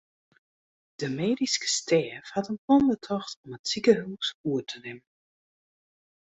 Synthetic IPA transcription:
d̥əmeːdiskə̥stʰɛːfhatənpʰɔndətʰɔxtɔmətsikəɦuːsuətʰənɪmən

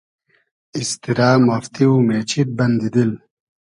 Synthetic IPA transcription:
ist̪iɾaːmaft̪iumet͡ɕʰit̪̚bɐnd̪id̪il

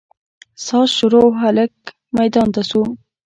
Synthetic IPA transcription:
sɑsʃʊɾoɦalək̚ | majd̪ɑnt̪asum

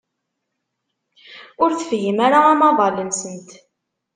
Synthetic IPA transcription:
ʊɾθfjəmaɾaːmɑðˤɑlənsənt̪

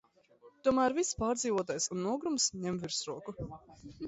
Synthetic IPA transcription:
t̪uɔmæːɾvispaːɾd̪ziːvuɔt̪aːjsunːuɔɡɾumsɲɛmviɾsɾuɔku

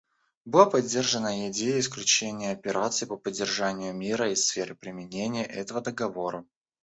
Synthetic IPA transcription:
bɨlˠapɐdʲːe̞rʐənəɪdʲejəɪsklʲʉt͡ɕenʲɪjəɐpʲɪɾʔat̪sɨɪpəpədʲːɪrʐanʲɪjʊmʲiɾəisfʲeɾɨpɾʲɪmʲɪnʲenʲɪjəʔɛt̪əvəd̪əɡɐvo̞ɾə

